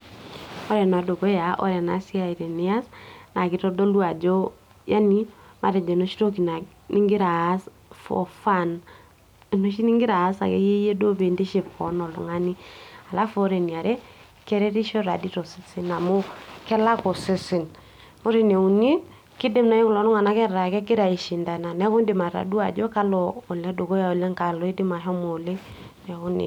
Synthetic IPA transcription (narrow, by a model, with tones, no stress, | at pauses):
ɔ˦ɾɛ˨n˨a˨do˨kɔ˦ja˨ʔɔ̰˦ɾɛ˨na̰˨˦si˦a˨i˨ɾɛ˨ni˦a˦sna˨kɪ˨tɔ˦do˦lwa˨d͡ʒɔ˦ | ja˦ni˦ma̰˨ɾɛ˨d͡ʒɛ˨no˦ʃi˦ɾo˦ki˨na˨ | ni˦ŋɡɪ˦ɾa˨˦s | fɔ̰˨fa˦˨n˨ | no˦ʃ̬i˦ni˦ŋɡɪ˦ɾaː˨˦sa̰˨kɛ̰˦je˦je˦do˦be˨nde˦ʃe˨p̚kɔ̰˨nɔ˨lɔ̰˨ŋa˦ni˦a˨la˦fɔ˦ɾe˨ni˨a˨ɾɛ˦ | kɛ˦ɾɛ˦ɾi˦ʃɔ˦ɾa˨di˦ɾɔ˨si˦sɪ˦na˨mʊ˦kɛ˦la˦kɔ˨sɪ˦sɪ˨n | mʊ˦ɾi˦ne˨u˨ni˦ | kɪ˦dɪ˦mna˨i˦kʊ˨lɔ˨˦nʊ˦ŋa˨na˦kɛ˦ɾa˨kɛ˦kɪ˦ɾa˨i˨ʃi˨nda˨na˨nɛ˦kʊ˦ndɪ˨ma˨ɾa̰˨du˦a̰˨d͡ʒɔ˦ka˦lɔː˨lɛ˦do˨ko˦ja˨ɔ˨lɛ˦ŋka˨lɔ˨i˦dɪ˦ma˨ɦɔ˦mɔ˨le˦ | nɛ˨kʊ˦nḭ˨